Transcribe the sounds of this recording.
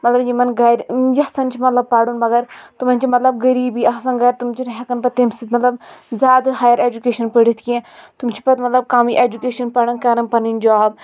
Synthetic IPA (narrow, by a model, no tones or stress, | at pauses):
mɐt̪lɐbjimɐnɡɐjɾjɐsɐnt͡ʃʰimɐt̪lɐb̚pɐɽunbɐɡɐɾt̪umɐnʲt͡ʃimɐt̪lɐb̚ɡɐɾiːbiɐsɐ̃nɡɐjɾt̪umt͡ʃiɾɦɐkɐnpɐt̪emsit̪mɐt̪lɐbzʲaːd̪ɨɦaːjɐɾed͡ʒukeːʃɐnpəɽit̪ʰkiẽt̪umt͡ʃʰi̥pɐt̪mɐt̪lɐb̚kaːmiʔeːd͡ʒukeːʃɐnpɐɽɐnkɐɾɐnpɐnind͡ʒaːb